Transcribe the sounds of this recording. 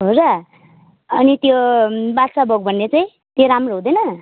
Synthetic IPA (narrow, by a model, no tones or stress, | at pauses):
ɦoɾa | ʌnit̪jobatsabʱoɡ̚bʱʌnːet͡saĩ | t̪joɾamroɦũd̪ʌjnʌ